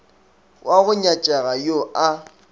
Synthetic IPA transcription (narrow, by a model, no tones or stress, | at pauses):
wʔaɣʊɲat͡ʃʼaɣajoʔa